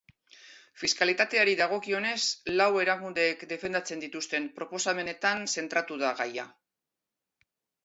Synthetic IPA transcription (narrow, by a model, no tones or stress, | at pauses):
fiskalit̪at̪e̞aɾiðaɣ̞o̞kio̞ne̞slawe̞ɾakund̪e̞ːkd̪e̞fe̞nd̪at͡se̞nd̪it̪ust̪e̞mpɾo̞po̞same̞ne̞t̪anse̞nt̪ɾat̪uðaɣaja̰